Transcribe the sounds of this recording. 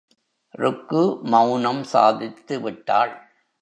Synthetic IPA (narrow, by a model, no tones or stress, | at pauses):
ɾʊkːɯmɐʊnɐmsa̰ːðɪt̪ːɯʋɪʈːa̰ːɭ